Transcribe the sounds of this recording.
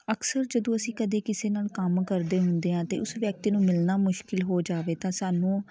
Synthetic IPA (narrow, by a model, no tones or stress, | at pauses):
əksəɾd͡ʒəd̪õːəsĩːkəd̪eːkɪseːnaːlkəmkəɾd̪eːɦʊnd̪eːãːt̪eːʊsʋjək̚t̪iːnũːmɪlnaːmʊʃkɪlɦoːd͡ʒaːʋeːt̪ãːsaːnũː